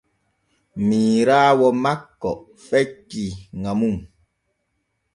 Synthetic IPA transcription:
miːɾaːwɔmakːɔʔ | fɛkiŋamuŋ

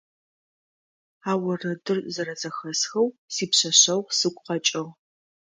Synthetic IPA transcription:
aːwɐrɐdɨrzɐɾɐzɐxɐsxɐwsiːpɕɐɕɐwsɨɡʷʼqɐt͡ʃʼɐʁ

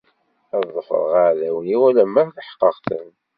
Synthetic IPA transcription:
æððˤːəfə̰ɾ̰ˤʁaʕðæwniwælæmːæθθəħqːəqθə̰n

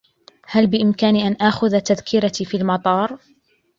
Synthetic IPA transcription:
halbɪʔɪmkaːniʔanʔaːxʊðat̪aðkʰɪɾat̪ifiːlmɑt̪ˤɑːɾˤ

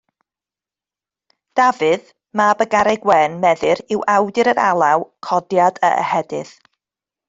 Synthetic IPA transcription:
d̥avɨð | mabəɡaɾɛɡwɛnmɛðɨɾɪwʔawdɨɾəɾalˠawkʰɔdjadə̰ʔə̰hɛdɨ̰ð̥

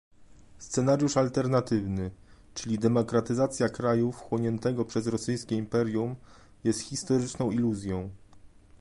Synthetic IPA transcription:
st̪sɛnaɾjuʂalt̪ɛɾnat̪ɘvnɘ | t͡ʂɘlʲid̪ɛmɔkɾat̪ɘzat̪sʲjakɾajufxwɔɲɛnt̪ɛɡɔpʂɛzɾɔsɘjskʲɛimpɛɾʲjum | jɛst̪xʲist̪ɔɾɘt͡ʂnɔ̃w̃iluzʲjɔ̃w̃

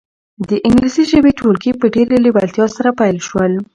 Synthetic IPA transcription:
d̪əʔɪŋɡlisiʒəbetʰoɾkipəɖeɾelɪbalt̪jɑsaɾapajlʃwəl

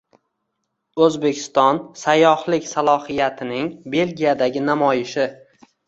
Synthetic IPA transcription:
ɵzbe̞kʲʰɪ̥st̪ɒnsajːɒhlɪkʲsalˠɒhɪjat̪ʰɪnɪŋbe̞lɡʲijad̪aɡʲɪnamɒjɪʃɪ

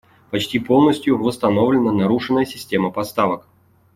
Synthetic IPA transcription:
pɐt͡ɕtʲipo̞lˠnəsʲtʲjʊvəst̪ɐno̞vlʲɪnənɐɾuʂɨnːəjəsʲɪsʲtʲe̞məpɐst̪avək

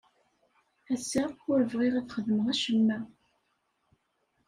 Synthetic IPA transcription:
æsːaʊɾəvʁiʁæθχəðməʁæʃəmːæ

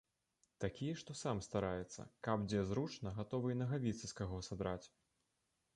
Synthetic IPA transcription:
t̪akʲijɐʂt̪ɔsamst̪aɾajɛt̪sːɐ̰kabd͡zʲɛzɾut͡ʂnɐɣat̪ɔvɨnɐɣavʲit̪sɐskaɣɔsad̪ɾat͡sʲ

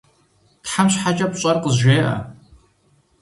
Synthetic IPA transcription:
tħamɕħat͡ʃʼɐpɕʼɐrqəzʒʷeːʔɐ̰

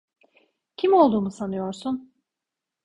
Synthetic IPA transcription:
cʰimo̞lˠd̪uːmusanɯjo̞ɾsun

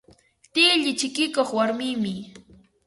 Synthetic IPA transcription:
t̪iːʎɪt͡ʃɪkɪkoχwaɾmɪmɪ

